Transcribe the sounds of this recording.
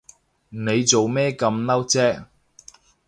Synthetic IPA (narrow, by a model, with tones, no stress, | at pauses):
ne˨˧jt͡so˨wmɛː˥kɐ˧mnɐ˥wt͡sɛː˥